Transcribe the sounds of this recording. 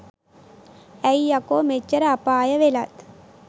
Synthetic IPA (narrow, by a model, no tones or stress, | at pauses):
ɛjɐkoːmet͡ʃːɐɾapaːjɐʋelat̪